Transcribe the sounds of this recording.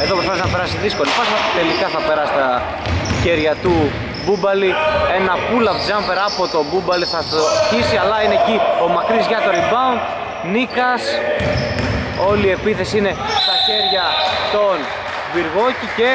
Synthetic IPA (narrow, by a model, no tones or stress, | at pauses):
eðopɾosfpɐsznɐpe̞ɾɐsiðisko̞liposɐt̪e̞likɐθɐpe̞ɾɐsi̥t̪ɐ | çe̞ɾʝɐt̪u | bubɐlie̞nɐpulɐvzɐmpeɾɐpot̪o̞bubɐliθɐoçisiɐlɐinecio̞mɐkɾizʝɐt̪oɾibɐon | nikɐs | o̞lie̞piθe̞sine̞t̪ɐçe̞ɾʝɐt̪o̞n | viɾɣo̞cice̞